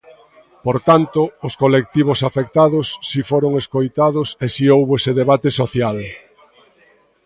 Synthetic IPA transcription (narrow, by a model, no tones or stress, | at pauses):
poɾt̪ant̪ʊːskolek̚t̪iβ̞osafekt̪aðosːifoɾoŋeskojt̪aðʊsesiowβoeseðeβat̪esoθjal